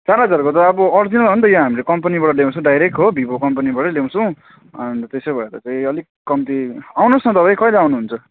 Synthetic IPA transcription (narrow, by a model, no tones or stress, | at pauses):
t͡saɾɦʌd͡zarkot̪ʌʌbʌʌrd͡zinalbʱʌnt̪ʌjʌɦamilekʌmpanibaɽʌljew̃t͡ssʰʌ̃ɖajɾek̚ʈɦobʱibokʌmpanibaɽʌlew̃sʰʌ̃w̃ | ʌnt̪esebʱʌeɾʌt͡saĩʌlikkːʌmt̪iawnosnʌt̪ʌpajkʌileawnuɦunt͡sʰʌ